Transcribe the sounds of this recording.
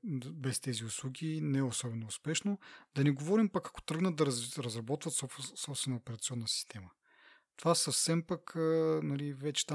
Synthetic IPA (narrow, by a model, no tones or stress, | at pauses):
bɛst̪ɛziʊslˠuɡʲinɛɛosɔbɛnoːspɛʃnod̪̥ɐnɛɡovɔɾimpakɐko̥t̪ɾɤɡnət̪d̪ɐɾɾɐzɾɐbɔt̪vət̪ssɔpst̪vɛnəopɛɾɐt̪sʲiɔnːəsi̥st̪ʰɛmə | t̪ovasɐfsɛmpakənɐlivɛt͡ʃɛ̥t̪a